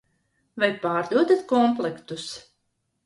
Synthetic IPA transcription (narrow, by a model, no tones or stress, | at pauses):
vajpaːɾd̪uɔd̪at̪kɔmplˠɛkt̪us